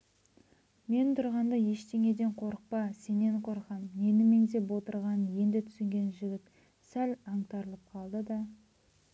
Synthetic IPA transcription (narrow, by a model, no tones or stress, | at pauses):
me̞nɪt̪ʰʊɾʁɑnd̪ɑje̞ʃt̪e̞ŋe̞d̪e̞ɴqʰo̞ɾəq̚pɑse̞ne̞ɴqʰo̞ɾqɑnje̞nɪme̞ŋze̞pwo̞t̪əɾʁɑnje̞nd̪ɪt̪ʰʏ̥sɪŋɡʲe̞nʒɪɡʲɪt̪ | sælɑɴt̪ɑɾəlˠəp̚qʰɑlˠd̪əd̪ɑ